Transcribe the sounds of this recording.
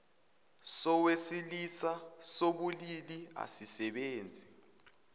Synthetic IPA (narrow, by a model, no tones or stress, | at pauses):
sɔwesilisasoɓulilia̰sisɛɓeːnd͡zʱi